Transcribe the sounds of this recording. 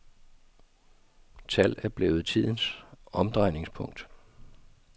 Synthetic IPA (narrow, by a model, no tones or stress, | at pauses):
t͡sʰæl̰æɐb̥le̝ːʊð̩ˠt͡sʰið̰ˠən̩sɒ̽md̥ʁɑ̈ɪne̝ŋspʰɔ̽ŋ̰d̥